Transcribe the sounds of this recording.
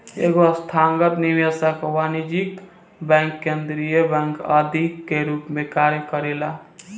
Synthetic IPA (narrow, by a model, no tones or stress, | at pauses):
ḛɡost̪ʰaŋɡət̪niʋjasakowanid͡ʒik | bɛ̃ŋkːend̪ɾijəbɛ̃ŋkəd̪ʱikːeɾupmekaɾjəkəɾela